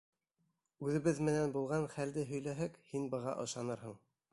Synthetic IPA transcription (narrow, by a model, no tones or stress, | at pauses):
ʉðɘ̆βɘðmɘ̆nænbulˠʁɑnχæld̪ɘɦɵ̆jlæɦækhinbɤ̆ʁɑ̰ʔɤ̆ʃɑnɤɾhɤ̆ɴ